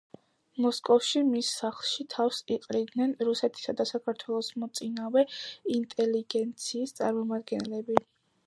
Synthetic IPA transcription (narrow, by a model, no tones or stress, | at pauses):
mɔskʼɔfʃimisːaχlˠʃit̪ʰafsiqʼɾid̪nɛnɾusɛt̪ʰi̥sad̪asakʰaɾt̪ʰwɛlˠɔsmɔt̪sʼinavɛint̪ʼɛliɡɛnt̪sʰiːst̪sʼaɾmɔmad̪ɡɛnlɛbi